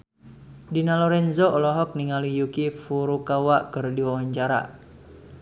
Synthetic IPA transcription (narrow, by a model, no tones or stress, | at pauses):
dinalɔɾɛnzɔɔlɔɦɔk̚niŋalijukifuɾukawaʔkɨrdiwawaɲt͡ʃaɾa̰